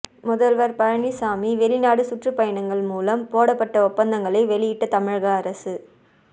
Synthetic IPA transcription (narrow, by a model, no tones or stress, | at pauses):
mʊðɐlʋɐɾpɐɻɐɳisaːmiʋɛlɪnaːɽɯsʊʈrɯpɐjɐɳɐŋɡɐɭmuːlɐmpoːɽɐpːɐʈːɐɔpːɐnd̪ɐŋɡɐɭɐɪʋɛɭɪjɪʈːɐt̪ɐmɪɻɣɐːɾɐsɯ